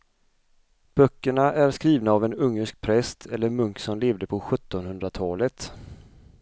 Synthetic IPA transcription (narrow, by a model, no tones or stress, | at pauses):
b̥œkːəɳaʔæɾskɾiːvnaːvɛnɵŋːəʂk̚pʰɾɛst̪ʰɛlːəɾmɵŋksɔnleːvd̪əpʰɔɧɵt̪ːɔnhɵnd̪ɾat̪ʰɑːlət̪